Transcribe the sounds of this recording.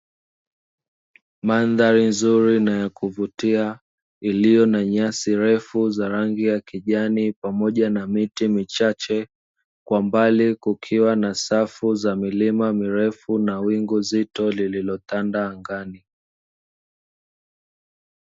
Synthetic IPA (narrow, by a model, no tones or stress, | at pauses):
manðaɾinzuɾinajakuvutia | ilijɔnaɲasiɾɛfuzaɾaŋɡijakiʄanipamɔʄanamitimit͡ʃat͡ʃɛ | kwambalikukʰiwanasafuzamilimamiɾɛfunawiŋɡuzitɔlililɔtandaːŋɡani